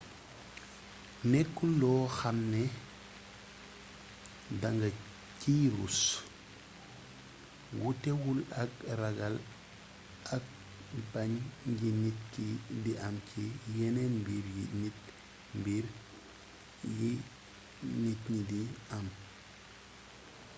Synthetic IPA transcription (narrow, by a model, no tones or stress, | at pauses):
nɛkːulɔːxamnɛ | daŋɡɐ | ciːɾṵs | wutɛwulɐkrɐɡɐl | ʔɐk̚ | paɲɟinit̚kidiʔɐmcijɛnɛnmbiːɾjinit̚ | mbiɾ | ji | nitɲidiam